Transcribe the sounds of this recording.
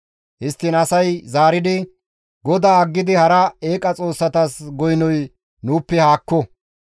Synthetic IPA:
hɪst̪ːɪnɐsɐjzaːɾɪd̪ɪ | ɡɔd̪aːɐɡːɪd̪ɪhɐɾɐeːkʼɐt͡sʼo̞ːsːɐt̪asɡɔjnɔj | nuːpːɛhaːkːɔ

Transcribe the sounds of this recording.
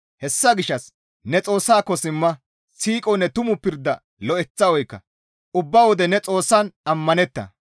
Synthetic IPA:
hɛsːɐɡɪʃːɐs | nɛt͡sʼo̞ːsːaːkːɔsɪmːɐ | siːkʼɔnɛt̪ʊmʊpɪɾd̪ɐ | lɔʔɛt͡sːɐwɔjkːɐ̰ | ʊbːɐwɔd̪ɛnɛt͡sʼo̞ːsːɐnɐmːɐnɛt̪ːɐ̰

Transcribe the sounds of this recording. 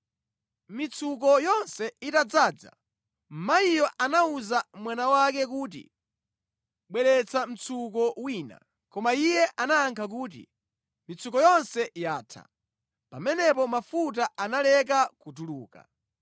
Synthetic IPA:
mit͡sʰuk̬ɔjɔnsɛitad͡zaːd͡za̰ | m̩maijɔʔanauzamwanawak̬ɛk̬uːt̬ḭ | ɓwɛɾɛt͡sʰam̩t͡sʰukɔwiːna̰ | kɔmaijɛʔanaːŋkʰak̬uːt̬ḭ | mit͡sʰukɔjɔnsɛjaːtʰa̰ | pamɛnɛpɔmafut̬aʔanalɛk̬akut̬uluːka̰

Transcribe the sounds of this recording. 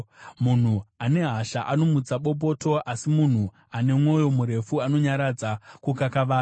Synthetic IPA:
mun̤uane̞ɦaʃaʔano̞mud͡zaɓo̞p̬o̞ːto̞ʔasimun̤u | ane̞mwo̞jo̞muɾe̞fuano̞ɲaɾad͡zakukakaʋaː

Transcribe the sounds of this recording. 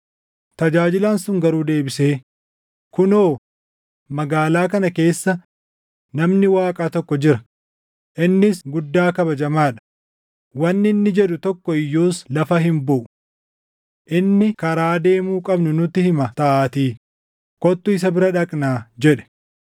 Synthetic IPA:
t̪ɐd͡ʒaːd͡ʒɪlansʊŋɡɐɾuːd̪e̞ːbɪse̞ː | kʊnoː | mɐɡaːlaːkɐnɐke̞ːsːɐ | nɐmnɪwaːkʼaːt̪ɔkːɔd͡ʒɪɾɐ | ʔɪnːɪsɡʊd̪ːaːkɐbɐd͡ʒɐmaːᶑɐ̥ | wɐnːɪnːɪd͡ʒɛᶑʊt̪ɔkːɔɪjːoːslɐfɐɦɪmbʊʔʊ | ʔɪnːɪkɐɾaːd̪e̞ːmuːkʼɐbnʊnʊt̪ːɪhɪmɐt̪ɐʔaːt̪iː | kɔt̪ːʊɪs̬ɐbɪɾɐᶑɐkʼnaːd͡ʒɛᶑɛ̥

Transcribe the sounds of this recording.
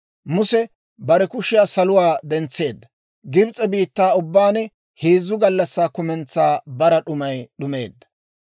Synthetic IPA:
mʊsɛ | bɐɾɛkʊʃɪjaːsɐlʊwaːd̪ɛnt͡sːe̞ːd̪ːɐ | ɡɪbt͡sʼɛbiːt̪ːaːʊbːaːnɛ | heːzːʊɡɐlːɐsːaːkʊmɛnt͡sːaːbɐɾɐɗʊmɐjɗʊme̞̰ːd̪ːɐ̥

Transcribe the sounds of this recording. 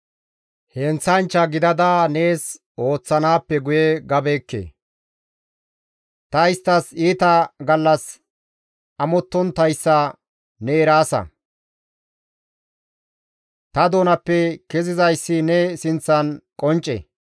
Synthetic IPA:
hɛnt͡sːɐnt͡ʃːɐɡɪd̪ɐd̪aneːs | o̞ːt͡sːɐnaːpːɛɡʊjɛɡɐbeːkːḛ | t̪ɐɪst̪ːɐsiːt̪ɐɡɐlːɐs | ɐmɔt̪ːɔnt̪ɐjsːɐ | neːɾaːsɐ̰ | t̪ɐd̪o̞ːnɐpːɛkɛzɪzɐjsːɪnɛsɪnt͡sːɐnkʼɔnt͡ʃʼːɛ̰

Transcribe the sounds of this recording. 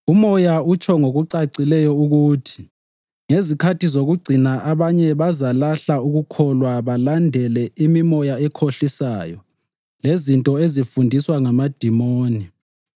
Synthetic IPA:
umɔjaut͡ʃʰɔŋoɣuǀaǀilɛjɔuɣuːtʰi̥ | ŋezikʰatʰizoɣuɡ͡ǀʱinaʔaβaɲɛβazalaɬauɣukʰɔlwaβalandʱɛlɛʔimimɔjaɛkʰoɬisaːjɔ | lezintʼɔezifundʱiswaŋamad̥ʱimoːni

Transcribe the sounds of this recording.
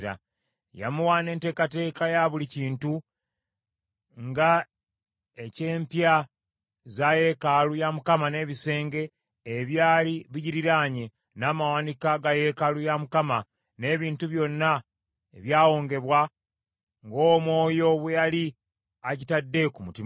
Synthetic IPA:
ɾa̰ | ja̰muwaːne̞ːnte̞ːkate̞ːkajaβuliciːntu | ŋɡa | ece̞ːmpja | zaje̞kalujamukamane̞ːβise̞ːŋɡe̞ː | βjaːliβiɟiɾiɾaɲe | naːmawanikaɡaje̞kalujamukama | ne̞ːβiːntuβjo̞nːa | ḛβjaːwo̞ːŋɡe̞βwa | ŋɡo̞ːmwo̞ːjo̞βejali | aɟitadːe̞kumutim

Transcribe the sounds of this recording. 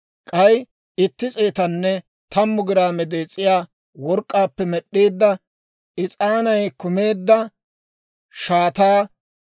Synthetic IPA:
kʼɐj | ɪt̪ːɪt͡sʼeːt̪ɐnːɛ | t̪ɐmːʊɡɪɾaːmɛd̪eːt͡sʼːɪjaː | wɔɾkʼːaːpːɛmɛɗːeːd̪ːɐ | ɪt͡sʼaːnɐjkʊme̞ːd̪ːɐ | ʃaːt̪aː

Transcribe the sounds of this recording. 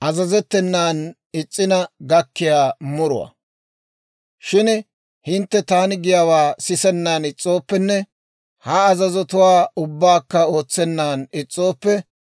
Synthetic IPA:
ʔɐzɐzɛt̪ːɛnːaːn | ɪt͡sʼːɪnɐɡɐkːɪjaːmʊɾʊ̰wɐ̰ | ʃɪn | hɪnt̪ːɛt̪aːnɪɡɪjawaːsɪsɛnːaːnɪt͡sʼːo̞ːpːɛnːɛ | hɐːzɐzɔt̪ʊwaːʊbːaːkːɐo̞ːt͡sːɛnːaːnɪt͡sʼːo̞ːpːɛ

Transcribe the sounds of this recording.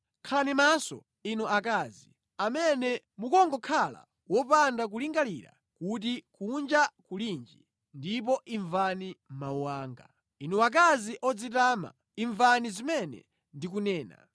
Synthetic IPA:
kʰalanimasɔ̰ | inuak̬azi | amɛnɛ | mukɔŋɡɔkʰala̰ | wɔp̬andak̬uliŋɡaliɾa̰ | kut̬ikund͡ʒakulind͡ʒi | ndip̬ɔʔiɱvanim̩mauwaːŋɡa | inuak̬aziʔɔd͡zit̬aːma̰ | iɱvanizimɛnɛ̰ | ndik̬unɛːna̰

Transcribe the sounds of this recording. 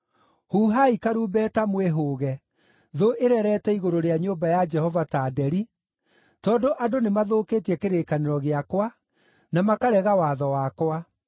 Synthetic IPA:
huːɦaikaɾuːbɛːtamweɦoːɣɛ | ðoʔeɾɛɾɛtɛiɣoɾoɾeaɲombajad͡ʒɛhɔvataːdɛɾi | tɔːndoʔadonemaðoːkeːtiɛkeɾekaneɾɔɣeakwa | namakaɾɛɣawaðɔwakwa

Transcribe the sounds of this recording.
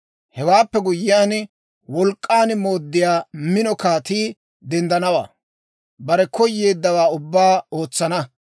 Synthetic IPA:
hɛwaːpːɛɡʊjːɪjaːn | wɔlkʼːaːnmo̞ːd̪ːɪjaːmɪnɔkaːt̪iː | d̪ɛnd̪ɐnɐwa̰ː | bɐɾɛkɔjːe̞ːd̪ːɐwaːʊbːaːo̞ːt͡sːɐnɐ

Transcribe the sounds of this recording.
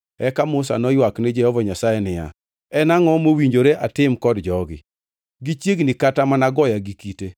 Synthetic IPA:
ɛkamʊsa̰nɔjwaknɪd͡ʒɛhɔvɔɲasajenɪja̰ | ɛnaŋɔmowiɲd͡ʒoɾeʔatɪmkɔdd͡ʒɔɡɪ̰ | ɡit͡ʃjeɡnɪkatamanaɡɔjaɡikite

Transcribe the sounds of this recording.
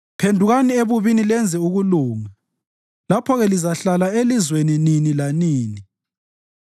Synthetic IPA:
pʰendʱuɣanieβuβinilɛnd͡zʱɛuɣuluːŋa | lapʰɔɣɛlizaɬalaelizwenininilaniːni

